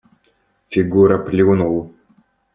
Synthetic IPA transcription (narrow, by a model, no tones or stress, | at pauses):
fʲiɡuɾəplʲunulˠ